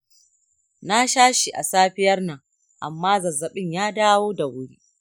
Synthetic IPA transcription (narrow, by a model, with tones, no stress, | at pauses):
na˦ʃaː˦ʃi˨ʔa̰˨saː˦ɸɪ˦jɐ˦rna˨ | ʔa̰˨mːaː˦zɐ˨zːɐ˨ɓɪ˦ɲjaː˦daː˦woː˦da˨wʊ˦ɽiː˦